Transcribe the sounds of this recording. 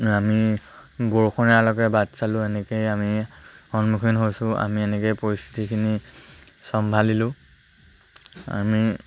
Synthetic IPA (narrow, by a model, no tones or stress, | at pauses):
amibɔɹkʰɔnɛalɔkɛbatsalʊ̃ɛnɛkejamihɔnmukʰinɦojsʊ̃a̰miɛnɛkejpɔɹist̪ʰi̥tikʰini | sɔmbʱalilʊ̃ | a̰mi